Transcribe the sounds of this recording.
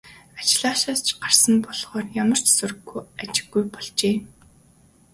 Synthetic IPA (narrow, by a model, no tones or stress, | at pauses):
at͡ɕɪɮaːʃaːst͡ɕʰɢar̥sə̆mpɔɮʁɔːrjamə̆r̥t͡ɕsuɾɵ̆ɣːujat͡ɕɪ̥̆ɣːujpɔɮt͡ɕeː